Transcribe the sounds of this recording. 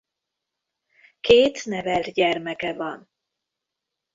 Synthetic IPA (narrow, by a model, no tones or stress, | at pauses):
keːt̪nɛvɛlt̪ɟɛrmɛkɛvɒn